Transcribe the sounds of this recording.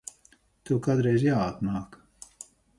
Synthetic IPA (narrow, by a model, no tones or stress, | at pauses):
t̪ukad̪ɾɛjzjaːat̪naːk